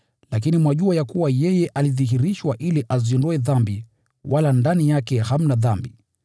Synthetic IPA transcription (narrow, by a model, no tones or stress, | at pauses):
lak̬inimwaʄuajakuwajɛjɛʔaliðiɦiɾiʃwaʔiliʔazindɔɛðambi | walandanijakɛham̩naðambi